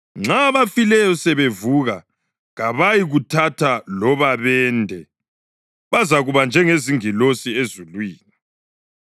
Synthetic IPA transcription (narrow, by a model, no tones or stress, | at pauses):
ŋ͡ǁaβafilɛjɔsɛβevuɣa | ɣaβajiɣutʰatʰalɔβaβɛːndʱɛ | βazaɣuβand͡ʒʱɛŋeziŋilosiezulwiːni